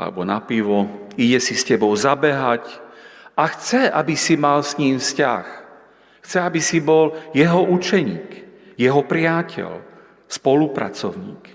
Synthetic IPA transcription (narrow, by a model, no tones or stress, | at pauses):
a̰lɛ̰bɔnapiʋɔiɟɛsiscɛbɔʊzabɛɦacʔaxt͡sɛa̰bisimalsɲiːmfsca̰x | xt͡sɛabisibɔljɛɦɔʔut͡ʃɛɲiːk | jɛɦɔpɾɪacʰɛ̰ʎ | spɔlupɾa̰t͡sɔʊɲḭːk